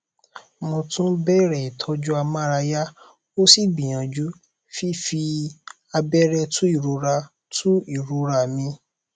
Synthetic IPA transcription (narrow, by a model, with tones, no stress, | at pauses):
mo˧tũ˦bɛ˦ɾɛ˨tʰɔ˧˦d͡ʒu˦a˧mã˦˨ɾa˧ja˦ | o˦si˦˨bĩ˨j̃ã˨d͡ʒu˨˦ | fi˦fi˧ | a˧bɛ˦ɾɛ˧tʰu˦i˦˨ɾu˨˧ɾa˧ | tʰũ˦i˦˨ɾu˧˦ɾa˧˨mĩ˧